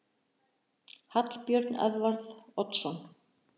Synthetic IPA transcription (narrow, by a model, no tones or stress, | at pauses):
hat̪l̥pjœɾt̪nɛ̰ðvaɾðɔt̪sɔn